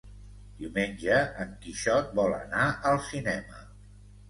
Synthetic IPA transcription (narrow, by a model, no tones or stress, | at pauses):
d̪̥iwmenʲʒd͡ʒəəŋkiʃɔt̪̚bɔlə̰naʔəlˠsinɛmə